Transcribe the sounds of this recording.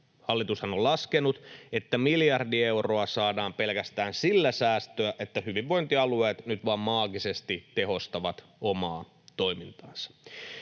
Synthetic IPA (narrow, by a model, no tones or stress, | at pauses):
hɑlːit̪ushɑnolɑskenut̪et̪ːæmiljɑrdie̞wro̞ɑsɑːdɑːmpe̞lkæst̪æːnsilːæsæːst̪øæʔet̪ːæhyʋiʋʋo̞jnt̪iɑlueːt̪nyt̪ʋɑmmɑːɡisest̪it̪eɦo̞st̪ɑʋɑt̪ | omɑː | t̪oimint̪ɑːnsɑ̥